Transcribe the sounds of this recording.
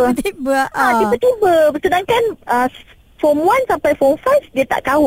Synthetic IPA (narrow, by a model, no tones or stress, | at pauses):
ət̪ibəʔat̪ibət̪ibəbərsənãŋkanə | fɔmuansampajfɔmfasdiət̪a̰ʔkaʊ